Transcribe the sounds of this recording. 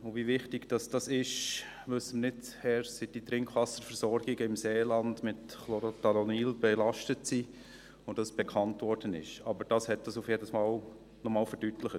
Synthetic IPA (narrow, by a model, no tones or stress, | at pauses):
ʊvivɪχtɪɡd̥ɑsd̥ɑsɪʃ | ʋɵsːəmənɪtt͡shɛɾsid̥it̪ɾɪŋkχʋɑsəɾfəɾsɔɾɡ̥ɪɡəɪmseːlɑndmɪtχlɔɾotɑlɔniːlb̥ɛlɑʃtətsi | od̥ɑsb̥ɛkʰɑntʋɔɾd̥ənɪ̰ʃɑbəɾd̥ɑshɛt̚dɑsufjɛdəsmɑːl | nɔmɑːlfəɾd̥ytləχə